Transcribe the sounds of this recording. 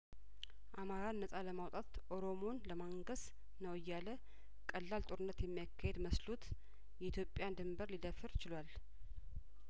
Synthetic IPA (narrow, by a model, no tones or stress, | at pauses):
ʔamaɾanːəsʼaləmawt̪ʼat̪ʔo̞ɾo̞mo̞nləmaŋɡəs | nəwɪjːalə | kʼəlːalt̪ʼoɾɨnːət̪jɛmːijakʰːahed̪məslut̪ | jɛit̪ʰjo̞pʼːjand̪ɨmbəɾlid̪əfɨɾt͡ʃɪlwal